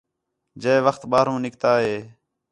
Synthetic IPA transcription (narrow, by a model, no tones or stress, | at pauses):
d͡ʒeːʋəxt̪ɓaːɾũːnɪkt̪aːɦeː